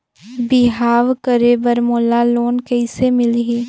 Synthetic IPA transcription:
bɪɦaːʋkəɾebəɾmoːlaloːnkɛɪsemɪlɦiː

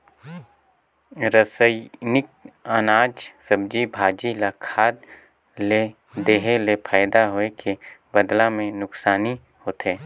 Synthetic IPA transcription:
ɾəsəɪnɪk̚ənaːd͡ʒsəb̚d͡ʒibʱaːd͡ʒilakʰaːd̪ | le | d̪eːɦelepʰaːɪd̪aɦoekʰebəd̪lamẽnʊksaːni | hoːt̪eː

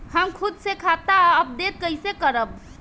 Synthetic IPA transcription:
həmkʰʊd̪sekʰat̪aəb̚d̪et̪̚kəisekəɾəb̚

